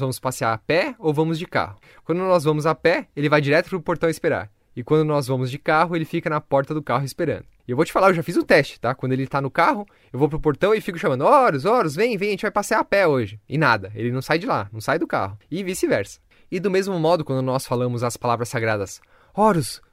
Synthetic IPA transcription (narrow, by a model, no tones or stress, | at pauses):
zvɐ̃mʊspasɪaɾɐpɛowvɐ̃mʊzd͡ʒɪka̰hʊ | kwɐ̃nd̪ʊnɔzvɐ̃mʊzapɛelɪvajd͡ʒiɾɛt̪ʊpɾʊpoɾt̪ɐ̃ɪspeɾa̰ɾ | ɪkwɐ̃nd̪ʊnɔzvɐ̃mʊzd͡ʒɪkaɦʊelɪfikɐnɐpɔɾt̪ɐd̪ʊkaɦʊɪspeɾɐ̰̃nd̪ʊewvowt͡ʃɪ̥falaɾewʒafizũt̪ɛst͡ʃɪ̥t̪akw̪̃d̪ʊelɪt̪anʊkaɦʊ | ewvowpɾʊpoɾt̪ɐ̃w̃ɪfikʊ̥ʃamɐ̃nd̪ʊɔɾʊzɔɾʊzvẽj̃vẽj̃ɐʒẽt͡ʃɪvajpasɪaɾɐpɛoʒɪɪnad̪ɐḛlɪnɐ̃w̃sajd͡ʒɪla̰nɐ̃w̃sajd̪ʊka̰ɦʊɪvisɪvɛɾsɐ̥ | ɪd̪ʊmezmʊmɔd̪ʊkwɐ̃nd̪ʊnɔsfalɐ̃mʊzɐspalavɾɐsaɡɾad̪ɐs | ɔɾʊs